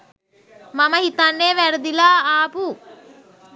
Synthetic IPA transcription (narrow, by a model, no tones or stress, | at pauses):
maməɦit̪anːeːʋæɾəd̪ilaːaːpu